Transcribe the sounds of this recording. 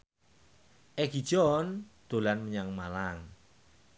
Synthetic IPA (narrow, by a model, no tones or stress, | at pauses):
ʔɛɡ̥i̤̥d͡ʒ̥ɔnd̪̥o̤lanməɲaŋmalaŋ